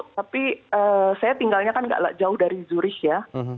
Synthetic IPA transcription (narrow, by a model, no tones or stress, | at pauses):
t̪apiəːsajat̪iŋɡalɲakanɡa̰ʔla̰ʔd͡ʒaʊhdaɾizuɾɪhja